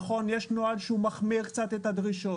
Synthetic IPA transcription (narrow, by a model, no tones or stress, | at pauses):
χo̞njeʃnoalʃeumaχmiʁkt͡sat̪et̪had̪ʁiʃo